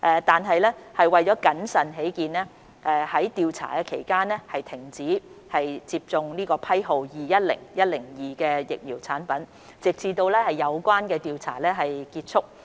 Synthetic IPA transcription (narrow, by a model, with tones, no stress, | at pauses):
ʔɛː˧t̪aː˨nɦɐ˨jlɛː˥hɐ˨jwɐ˨jt͡sɔː˨˥kɐ˨˥nsɐ˨nɦe˨˥jkiː˨˧nɛː˥ | ʔɛː˧hɐ˨˥jt̪iː˧wt͡sʰa̰ː˨˩kɛː˧kʰe˨˩jkaː˥nɛ˥hɐ˨jt̪ʰɪ˨˩ŋt͡siː˨˥hɐ˨jt͡siː˧p̚t͡sʊ˨˧ŋniː˥kɔː˧pʰɐ˥jɦo˨wjiː˨jɐ˥t̚lɪ̰˨˩ŋjɐ˥t̚lɪ˨˩ŋjiː˨˩kɛː˧jɪ̰˨k̚jiː˨˩wt͡sʰaː˨˥npɐ˨˥n | t͡sɪ˨k̚t͡sʰiː˧t̪o˧wlɛː˥hɐ˨jːɐ˨˧wkʷaː˥nkɛː˧t̪iː˧wt͡sʰa̰ː˨˩lɛː˥ɦɐ˨jkiː˧t̚t͡sʰʊ˥k̚